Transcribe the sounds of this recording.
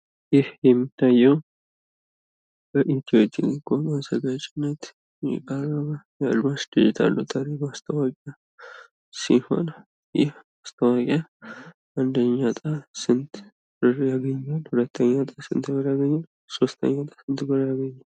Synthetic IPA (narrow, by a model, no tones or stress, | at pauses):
jɪhjɛmːit̪ʰːajɛw | bəʔit̪ʰiot̪ʰilikʰomazəɡat͡ʃʼɪnːət̪ | kʼaɾamajalːuasd̪ɨd͡ʒɪt̪ʰa̰lːut̪ʼʰaɾiɡast̪ʰəwakʼa | siho̞̰n | jɪh | ast̪ʰəwakʼa | ʔand̪əɲːat̪ʼasɨnt̪ | bɨɾjaɡəɲːalhʊlət̪ʰːəɲːat̪ʼasɨ̰nt̪ɡəɾjaɡəɲːa | so̞st̪ʰə̰ɲːat̪ʼḁsɨnt̪bɨɾjaɡəɲːa